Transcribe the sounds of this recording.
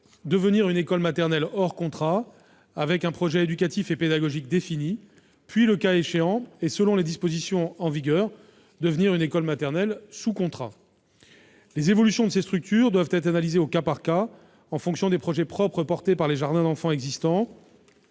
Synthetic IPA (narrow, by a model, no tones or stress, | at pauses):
d̪əvəniʁynekɔlmat̪ɛʁnɛlɔʁkɔ̃t̪χa | avɛkɛ̃pχɔʒɛed̪ykat̪ifeped̪aɡɔʒikd̪efini | pɥiləkaeʃeɑ̃esəlɔ̃led̪ispozisjɔ̃ɑ̃viɡʲœːʁ | d̪əvəniʁynekɔlmat̪ɛʁnɛlsukɔ̃t̪χa̰ | lezevɔlysjɔ̃d̪əsest̪χyk̚t̪ʰyʁd̪wavt̪ɛt̪χanalizeokapaʁka | ɑ̃fɔ̃ksjɔ̃d̪epχɔʒɛpχɔpχəpɔʁt̪epaʁleʒaʁd̪ɛ̃d̪ɑ̃fɑ̃ɛɡzist̪ɑ̃